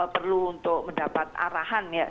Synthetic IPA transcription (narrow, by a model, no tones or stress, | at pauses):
pərluːnt̪ʊk̚məndapat̪̚a̰ɾaɦanja